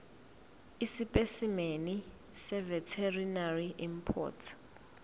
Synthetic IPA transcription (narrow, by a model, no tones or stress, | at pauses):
isipʼesimeni | sɛvɛtʰɛrinariʔimpʰɔ̰ːtʰ